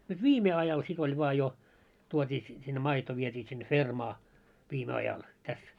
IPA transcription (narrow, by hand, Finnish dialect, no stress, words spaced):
nyt ʋiːme ɑjɑl sit olʲ ʋŏɑ jo tuotʲiː si sinːe mɑito ʋietʲiː sinːe fermɑː ʋiːme ɑjɑl tæs